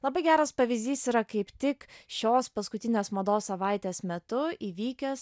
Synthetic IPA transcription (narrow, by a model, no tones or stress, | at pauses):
lˠɐbɐɪɡʲæːɾɐspɐʋʲɪzʲd̪ʲiːsiːɾɐkɐɪpt̪ʲɪkʃʲoːspɐskʊt̪ʲɪnʲeːsmɐd̪oːssɐʋɑɪt̪ʲeːsmʲɛt̪ʊiːʋʲiːkʲɛs